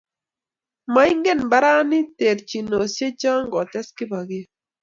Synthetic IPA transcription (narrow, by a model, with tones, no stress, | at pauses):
ma˦ɪ˦ŋɡe˦˨nba˦ɾa˦nɪ˦te˨ɾt͡ʃi˨no˨sje˦t͡ʃa˦ŋɡɔ˨tɛ˦skɪ˦ba˨ɡɪ˦